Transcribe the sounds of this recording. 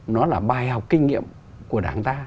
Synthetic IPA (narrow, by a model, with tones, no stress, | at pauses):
nɔ˨˦laː˨˩ɓaː˨˩jha˨˩wk͡p̚kï˧ŋ̟ŋḭ˧˨əm | ku˧˩əɗaː˧˩ŋt̪aː˧